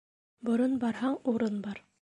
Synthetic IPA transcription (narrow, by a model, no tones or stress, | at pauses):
bŏɾɤnbɑɾhɑɴuɾɤnbɑɾ